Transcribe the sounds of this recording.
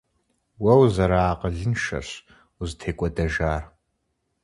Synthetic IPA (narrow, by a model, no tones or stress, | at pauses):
wɐwzɐɾaːqəɮɨnʃɐ̰ɕ | uztʰeːkʷʼɔdɐʒaːr